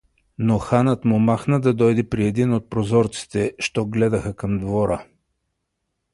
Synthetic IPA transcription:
noxanət̪mʊmaxnəd̪ɐd̪ɔjd̪ɛpɾiɛd̪inot̪̚pɾozɔɾt̪si̥t̪ɛʃt̪ɔɡlɛd̪ɐxəkɐmd̪voɾə

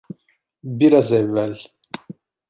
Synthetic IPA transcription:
biɾazɛvːæl

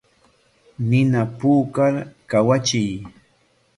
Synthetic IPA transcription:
nɪnapuːkaɾkawat͡ʃɪj

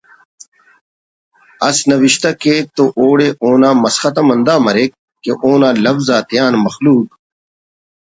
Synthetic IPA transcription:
ɐsnɐʋiʃt̪ɐkeːk̚t̪oʔoːɽeːʔoːnãːmɐsxɐt̪ɐmɐnd̪aːmɐɾeːk̚ːeʔoːnãːlɐfzaːt̪jaːnmɐxluːk̚

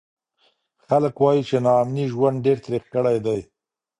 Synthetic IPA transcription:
xaləkwɑjit͡ʃenɑːmniʒwand̪̚ɖeɾt̪ɾixkəɽajd̪aj

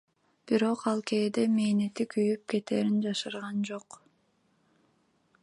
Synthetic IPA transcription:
b̥iɾo̞qɑlˠkeːd̪emeːnet̪ikʰyjyp̚ke̞t̪eːɾind͡ʒɑʃɯɾʁɑnd͡ʒo̞q

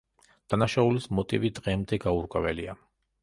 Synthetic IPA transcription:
d̪̥anaʃaulismɔt̪ʼḭvid̪ʁɛmd̪ɛɡauɾkʼwɛvɛlia

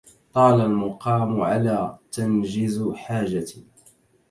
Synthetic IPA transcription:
t̪ˤɑːlalmʊqɑːmʕa̰laːt̪and͡ʒɪzħaːd͡ʒa

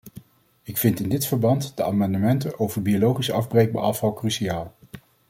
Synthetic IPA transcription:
ɪkfɪntɪndɪtfəɹbɑntd̥əaːmɑndəmɛntənʔowvəɹbiolowχisɑvbrejk̚ba̰ːɹɑfɑlˠkrysiaːlˠ

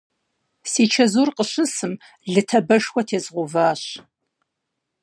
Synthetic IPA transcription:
siːt͡ʃʰɐzuːrqəɕɨsɨm | ɮɨtʰɐbɐʃwʷɐtʰeːzʁʷʊvaːɕ

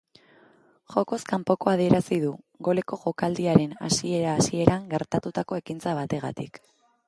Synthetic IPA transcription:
ʝo̞ko̞skampo̞ko̞að̞ie̞ɾasiðu | ɣo̞le̞ko̞ʝo̞kald̪iaɾe̞na̰sie̞ɾaːsie̞ɾaŋɡe̞ɾt̪at̪ut̪ako̞e̞kint͡saβ̞at̪e̞ɣ̞a̰t̪ik

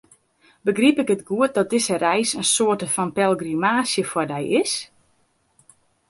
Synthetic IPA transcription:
bəɡripɪkətɡuət̚dɔt̚dɪsərɛjsənsoətəfɔnpɛlˠɡrimaːsjəfwɔdɛjɪs

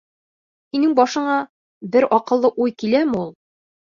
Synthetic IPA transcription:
hinɘŋbɒʃɤ̆ɴɑ | bɘɾɒqɤ̆lˠːɤʔujkilæmɘulˠ

